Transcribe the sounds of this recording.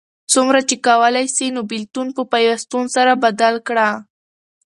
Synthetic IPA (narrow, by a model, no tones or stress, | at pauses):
t͡sumɾat͡ʃekawəlajsinobɪlt̪unpəpajwast̪unosaɾabad̪alkɽa